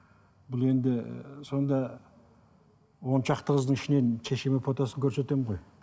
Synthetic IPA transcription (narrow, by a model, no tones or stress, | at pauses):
bʊlˠe̞nd̪ɪso̞nd̪ɑ | wo̞nʃɑqt̪əqəzd̪əɴɪʃɪne̞nʃʰeʃemepʰot̪ɑsəŋkʲʰɵɾse̞t̪e̞mʁo̞j